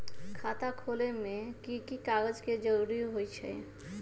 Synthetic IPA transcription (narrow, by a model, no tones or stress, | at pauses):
kʰat̪akʰolemẽkikikaɡəd͡ʒked͡ʒəɾuɾiɦojt͡ʃʰɛ̰